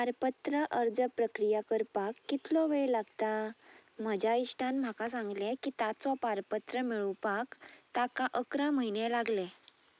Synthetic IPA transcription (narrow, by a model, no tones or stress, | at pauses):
paɾpət̪ɾəʔəɾd͡zəpɾəkɾijakəɾpakːit̪lɔʋeɭlaɡt̪am̤əd͡ʑʱaiʂʈʰãnm̤akas̬ãŋɡlẽkit̪at͡sɔpaɾpət̪ɾəmiɭupakt̪akaʔəkɾaməɦinelaɡle